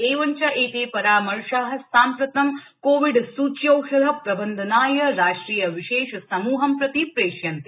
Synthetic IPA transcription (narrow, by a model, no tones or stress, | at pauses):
eːʋɐɲt͡ʃɐʔeːt̪eːpɐɾaːmɐɾʂaːɦɐ̆saːmpɾɐt̪ɐm | koːʋiɖsuːt͡ʃjɐwʂɐd̪ʱɐpɾɐbɐnd̪ʱɐnaːjɐɾaːʂʈɾiːjɐʋiʃeːʃɐsɐmuːɦɐmpɾɐt̪ipɾeːʃjɐnt̪i